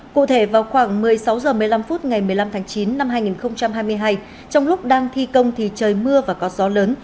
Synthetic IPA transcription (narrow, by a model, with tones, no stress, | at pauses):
kṵ˧˨t̪ʰe˧˩vaː˨˩wxwaː˧˩ŋmɨ˨˩əjsa˨˦wzəː˨˩mɨ˨˩əjla˧mfuː˦˥t̚ŋa˨˩jmɨ˨˩əjla˧mt̪ʰaː˨˦ŋt͡ɕi˨˦nːa˧mɦaː˧jŋi˨˩nxə˧wŋ͡mt͡ɕa˧mhɦaː˧jmɨ˧əjɦaː˧j | t͡ɕɔ˧wŋ͡mlʊ˦˥k͡p̚ɗaː˧ŋt̪ʰi˧kə˧wŋ͡mt̪ʰi˨˩t͡ɕəː˨˩jmɨ˧əvaː˨˩kɔ˨˦zɔ˨˦ləː˨˦n